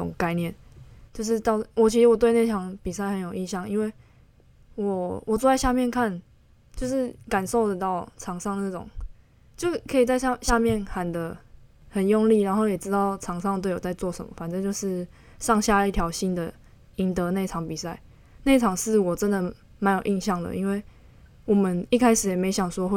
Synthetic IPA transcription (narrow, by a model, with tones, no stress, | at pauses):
ʊ̰˨˩ŋka˥˧ɪnjɛ˥˨nt͡ɕjo˥˧ʊʂ̬ɻ̩˥˧t̪ɑ˥˧ʊwɔ˨˩t͡ɕʰi˧˥ʂɻ̩˧˥wɔ˨˩t̪we˥˧ɪne˥˩ɪɑ˧˥ŋpi˨˩sa˥˩ɪhə˧˦njo˨˩ʊi˥˧nɕjɑ˥˩ŋi˥nwe˥˩ɪ | wɔ˨˩wɔ˨˩t͡swɔ˥˧a˥˧ɪɕja˥˧mjɛ˥˨nkʰa˥˨n | t͡ɕjo˥˧ʊʂɻ̩˥˩ka˨˩nʂo˥˩ʊd̪ə˩t̪ɑ˥˩ʊʈ͡ʂʰɑ˧˥ŋʂɑ˥˧ŋd̪ə˩na˥˩ʊ̰˨˩ŋ | t͡ɕjo˥˧ʊkʰɤ˧˥i˨˩t͡sa˥˧ɪ˥˧ɕja˥˧mjɛ˥˨nxa˨˩nd̪ə˨˦ | hə˨˩njɔ˥˧ŋli˥˨˩ɻa˧˦nxo˥˩ʊjɛ˨˩ʈ͡ʂɻ̩˦˥t̪ɑ˥˩ʊʈ͡ʂʰɑ˧˥ŋʂɑ˥˧ŋt̪we˥˩ɪwo˨˩t͡sa˥˧ɪt͡swɔ˥˨ʂə̰˨˦mə̰˨fa˨nʈ͡ʂə˥˧t͡ɕjo˥˧ʊʂɻ̩˥˧ | ʂɑ˥˧ŋɕja˥˧i˥˩t̪ʰjɑ˧˥ʊɕi˦˥nd̪ə˨ | i˨˦˥nt̪ə˧˦ne˥˩ɪʈ͡ʂʰɑ˧˥ŋpi˨˩sa˥˩ɪ | ne˥˩ɪʈ͡ʂʰɑ˨˩ŋʂɻ̩˥˩˨wɔ˨˩ʈ͡ʂə˦nd̪ə˨ | ma˧˦njo˨˩ʔi˥˧nɕjɑ˥˩ŋd̪ə̰˨ʔi˥nwe˥˩ɪ | wɔ˨˩mə˦ni˥˧kʰa˥ɪʂɻ̩˨˩jɛ˨˩me˧˥ɪɕjɑ˨˩ŋʂwɔ˧˥